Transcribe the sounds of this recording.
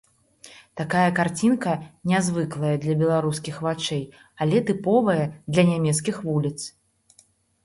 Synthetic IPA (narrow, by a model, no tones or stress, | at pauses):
t̪akajɐkart͡sʲinkɐnʲazvɨklˠɐjɐd̪lʲɐbʲɛlˠaɾuskʲixvat͡ʂɛj | alʲɛt̪ɨpɔvɐjɐd̪lʲɐnʲamʲɛt̪s̬kʲixvulʲit̪s